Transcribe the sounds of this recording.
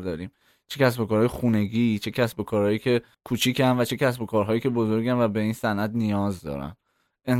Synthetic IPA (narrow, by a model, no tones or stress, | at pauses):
ɾd̪ɒːɾiːm | t͡ʃʰecʰæsbo̞kɒːɾɒːjexune̞ɡiːt͡ʃʰe̞cʰæsbo̞kʰɒːɾhɒːjiːcʰe̞ | kʰuːt͡ʃʰiːcʰænvæt͡ʃʰe̞cʰæsbo̞kʰɒːɾɦɒːjicʰe̞bozoɾɡænvæbe̞iːnsænʔæd̪nijɒːzd̪ɒ̰ːɾæ̰n | eŋ